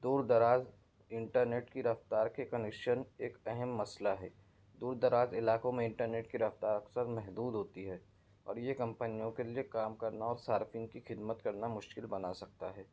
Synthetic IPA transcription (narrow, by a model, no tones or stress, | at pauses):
d̪uːɾd̪ɐɾaːz | ɪ̃ɳʈəɾneːʈkiɾɐft̪aːɾkekɐnekʃəneːkɛɦɛmːɐslaɦɛː | d̪uːɾd̪ɐɾaːzɪlaːkõmẽɪ̃ɳʈəɾneːʈkiɾɐft̪aːɾɐksəɾmɛɦd̪uːd̪ɦoːt̪iɦɛː | ɔ̰ːɾjekɐ̃mpənijõkeliekaːmkɐɾnaɔːɾsaːɾfɪ̃ŋkixɪd̪mət̪kɐɾnamʊʃkɪlbɐnasɐk̚t̪aɦɛː